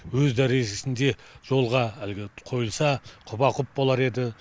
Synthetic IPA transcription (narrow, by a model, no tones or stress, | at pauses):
wɵzd̪æɾe̞ʒe̞sɪnd̪e̞ʒ̥o̞lˠʁɑælɡʲɪqʰo̞jəlˠsɑqʰʊbɑqʰʊp̚bolˠɑɾe̞d̪ɪ